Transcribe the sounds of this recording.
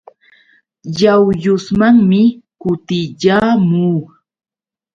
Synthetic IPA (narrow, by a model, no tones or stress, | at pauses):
jawjʊsmaŋmɪkʊt̪ɪʎaːmuː